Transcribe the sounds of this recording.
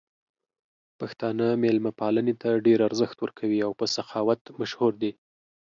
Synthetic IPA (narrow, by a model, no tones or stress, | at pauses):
paxt̪ɑnəmelmapɑlənet̪aɖeɾaɾzəxt̪wəɾkʰawiawpəsaxɑwat̪maʃhuɾd̪i